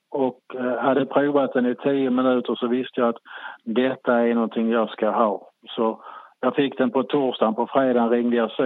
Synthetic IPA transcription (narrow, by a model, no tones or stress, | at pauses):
ɔkhad̪ːəpʰɾʉːvat̪̚d̪ɛnɪt̪ʰiːəmɪnʉ̟ːt̪əɾʂɔvɪst̪əjɑat̪d̪ɛt̪ːaæɾɳɔnt̪ʰɪŋjɑːɡskaɦɑːsɔjɑːfɪkːd̪ɛnpʰɔt̪ʰuʂd̪aːnpʰɔfɾeːd̪aːnɾɪŋːd̪əjɑsɛ